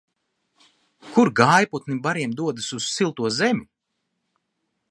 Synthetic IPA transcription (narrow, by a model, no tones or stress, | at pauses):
kuɾɡaːjput̪nibaɾiɛmd̪uɔd̪ɨsuz̥silˠt̪uɔzemʲu